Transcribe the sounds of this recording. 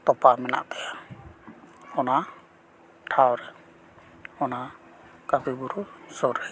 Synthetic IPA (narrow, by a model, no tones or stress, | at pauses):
t̪ɔpamɛna̰ʔt̪ɛja | ɔna | ʈʰawɾɛ | ɔna | kabibuɾusɔɾɛ